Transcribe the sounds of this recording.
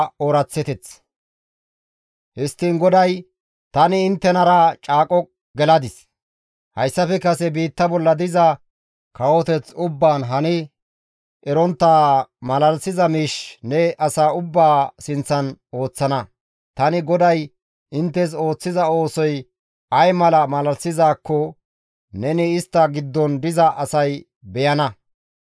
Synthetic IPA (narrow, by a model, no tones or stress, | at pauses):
oɾɐt͡sːɛt̪ɛt͡s | hɪst̪ːiːnɡɔd̪ɐj | t̪ɐnɪɪnt̪ːɛnɐɾɐt͡ʃʼaːkʼɔ | ɡɛlɐd̪ɪs | hɐjsːɐfɛkɐsɛbiːt̪ːɐbɔlːɐd̪ɪzɐ | kɐwɔt̪ɛt͡sʊbːaːnɦɐnɪ | ʔɛɾɔnt̪ːaːmɐlɐlsɪzɐmiːʃnɛɐsaːʊbːaːsɪnt͡sːɐno̞ːt͡sːɐnɐ | t̪ɐnɪɡɔd̪ɐj | ʔɪnt̪ːɛs̬o̞ːt͡sːɪzɐo̞ːsɔj | ɐjmɐlɐmɐlɐlsɪzaːkːɔ | nɛnɪɪst̪ːɐɡɪd̪ːɔnd̪ɪzɐʔɐsɐj | bɛjɐnɐ